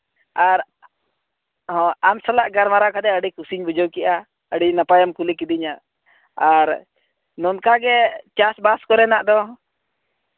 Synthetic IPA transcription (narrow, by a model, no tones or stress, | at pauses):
aɾ | hɔ̃amsalaʔɡaɾmaɾakad̪ɛəɖikusiɲbud͡ʒɔwkɛʔa | əɖinapajamkulikid̪iɲaʔ | aɾ | nɔnkaɡɛt͡ʃasbaskɔɾɛnaʔd̪ɔ